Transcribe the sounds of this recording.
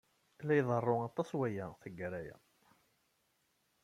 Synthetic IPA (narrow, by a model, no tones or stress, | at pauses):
lːæjðˤərˤːoɑt̪ˤːɑswæjæθəɡːæɾæjæ̰